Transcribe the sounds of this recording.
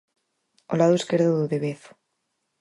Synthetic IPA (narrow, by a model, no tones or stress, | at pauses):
olaðoeskeɾðoðuðeβeθo̥